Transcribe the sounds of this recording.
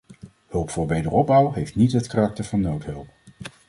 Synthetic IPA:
hɵlˠpfʊːɹʋejdəɹɔb̚bʌwɦejftnitɦətkarɑk̚təɹvɑnːowtɦɵlˠp̚

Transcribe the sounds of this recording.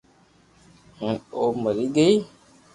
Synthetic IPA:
hənoməɾiɡej

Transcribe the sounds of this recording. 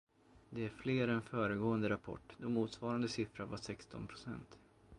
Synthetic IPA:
d̪ɛæɾfleːɾɛnfœːɾəɡoːənd̪əɾapʰɔ̰ʈːd̪ɔmːuːt̪svɑːɾand̪əsɪfɾaɾvasɛkst̪ɔ̰npʰɾʊsɛ̰nt̪

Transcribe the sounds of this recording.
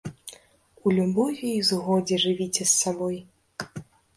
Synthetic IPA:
ulʲubɔjujzɣɔd͡zʲɛʐɨvʲit͡sʲɛsːabɔj

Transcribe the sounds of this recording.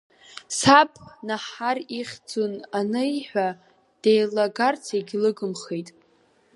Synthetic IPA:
sapʰʼnaħariχʲd͡zonanɨħʷᶣa | d̥ejlaɡart͡sʰeɡʲlɨɡɨmχejtʼ

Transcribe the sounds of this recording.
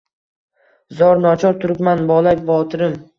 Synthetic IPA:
zɒɾnɒt͡ʃʰɒɾt̪ʰʊɾɪpmanbɒlˠakʲvɒt̪ʰɪɾɪm

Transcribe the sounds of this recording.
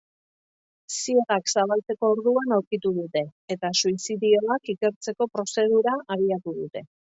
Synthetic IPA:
sie̞ɣaksaβalt͡se̞ko̞ːɾðuanaɾkit̪uð̞ut̪e̞ːt̪asuisiðio̞akike̞ɾt͡se̞ko̞pɾo̞se̞ð̞uɾaʔaβ̞iat̪uðut̪e̞

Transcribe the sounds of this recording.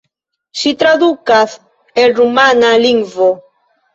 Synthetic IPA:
sit̪ɾaðukaθ | erumanaliŋvo

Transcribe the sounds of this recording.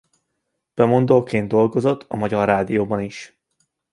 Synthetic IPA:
b̥ɛmo̞nd̪olkeːnd̪̚o̞lɡo̞zo̞t̪ːɒmɒɟɒrːaːd̪ijoːbɒniʃ

